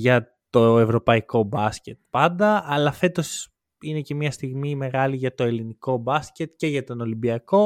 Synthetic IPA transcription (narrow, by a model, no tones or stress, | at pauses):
ʝɐt̪o̞evɾo̞pɐiko̞bɐsce̞t̪̚pɐnd̪ɐɐlɐfe̞t̪o̞s | ine̞ce̞mɲɐst̪iɣmime̞ɣɐliʝɐt̪o̞e̞liniko̞bɐsce̞t̪ce̞ʝɐt̪o̞no̞limbiɐko̞